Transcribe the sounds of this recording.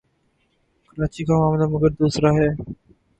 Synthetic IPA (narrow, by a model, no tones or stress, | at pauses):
kəɾat͡ʃikamamlaməɡəɾd̪osɾaɦɛ